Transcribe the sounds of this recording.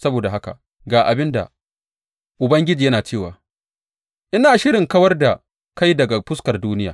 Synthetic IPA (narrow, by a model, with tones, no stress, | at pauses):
sɐ˦boː˨da˨ɦa˦ka̰˨ | ɡaː˨ʔa˨bɪ˦nda̰˨ | ʔʊ˨bɐ˦ŋɡʲɪ˦d͡ʒiː˨jɐ˦naː˨t͡ʃeː˦˨waː˨ | ʔɪ˦naː˨ʃɪ˦ɽɪ˨ŋkɐ˦wɐ˦rda˨ | ka˦jdɐ˨ɡa˨pʊ˦skɐ˨rduː˦nɪ˦jaː˨